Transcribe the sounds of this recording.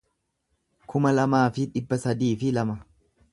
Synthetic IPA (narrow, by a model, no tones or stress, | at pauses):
kʰʊmɐlɐmaːfɪᶑɪbːɐsɐd̪iːfɪlɐmɐ